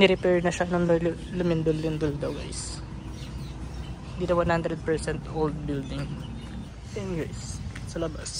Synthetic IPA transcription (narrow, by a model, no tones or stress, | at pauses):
nɛɾɪpɛɹnɐʃanɐŋl | lʊmɪnd̪olːɪnd̪old̪owɐ̰js | hɪ̃nd̪iːnɐwanhand̪ɾɛd̪̚pɛɹsɛnt̪ʔold̪̚bɪld̪ɪŋ | ɪnɡis | sɐlɐbas